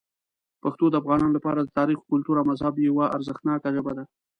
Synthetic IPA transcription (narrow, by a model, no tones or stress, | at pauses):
paxt̪od̪əafɣɑnɑnolapɑɾad̪ət̪ɑɾixo̥kʊlt̪uɾawmazhabjawaʔa̰ɾzəxt̪nɑkaʒəbad̪a